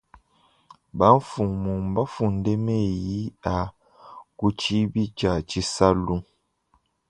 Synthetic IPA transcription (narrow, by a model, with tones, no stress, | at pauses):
ba˦ɱ˦fu˨mu˨m˨ba˦fu˨nde˦me˦˨ji˦a˨ | ku˦t͡ʃi˦bi˦t͡ʃa˨t͡ʃi˦sa˦lu˦